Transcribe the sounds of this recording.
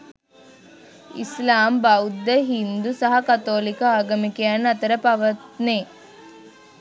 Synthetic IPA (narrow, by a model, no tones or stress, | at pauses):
ḭslaːmbɐwd̪ːɐɦind̪usɐɦɐkɐt̪oːlikɐaːɡɐmikejaːnɐt̪ɐɾɐpɐʋɐt̪neː